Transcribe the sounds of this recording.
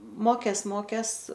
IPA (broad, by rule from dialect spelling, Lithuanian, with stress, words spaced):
ˈmoːkʲeːs ˈmoːkʲeːs